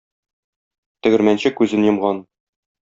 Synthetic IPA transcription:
t̪ɵ̆ɡɘ̆ɾmænɕɘkʉzɘnjɤ̆mʁɑn

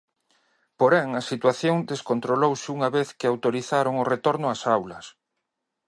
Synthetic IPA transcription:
poɾɛŋɐsit̪waθjoŋd̪eskont̪ɾolowsɪuŋɐβeθkɪawt̪oɾiθaɾoŋʊret̪oɾnʊasawlɐs

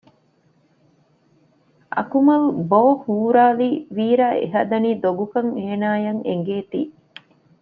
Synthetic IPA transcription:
ʔɐ̰kumɐlboːhuːɾaːliːʋiːɾaːḛɦɐd̪ɐniːd̪oɡukɐŋeːnaːjɐŋḛŋɡeːt̪iː

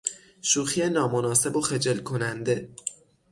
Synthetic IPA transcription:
ʃuːxienɒːmo̞nɒːse̞boxe̞d͡ʒelkʰo̞nænd̪e̞

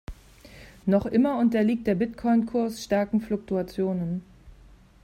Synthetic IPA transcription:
nɔχʔɪmɐʊntɐliːk̚t̚d̥eːɐbɪtkʰɔʏnkʰʊɐsʃtaɐkŋ̩flʊk̚tuat͡sjoːnən

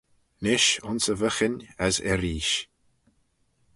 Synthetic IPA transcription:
nɪʃʊnsəvəxɪnʲəzɛ̰ɾiːʃ

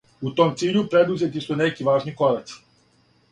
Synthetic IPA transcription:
ut̪omt̪siːʎupɾed̪uzje̞t̪isunekiʋaːʒniko̞ɾat̪s

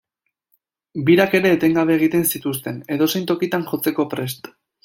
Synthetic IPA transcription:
biɾake̞ɾe̞ːt̪e̞ŋɡaβe̞ːɣ̞it̪e̞nsit̪ust̪e̞ne̞ðo̞se̞jnt̪o̞kit̪anʝo̞t͡se̞ko̞pɾe̞st̪

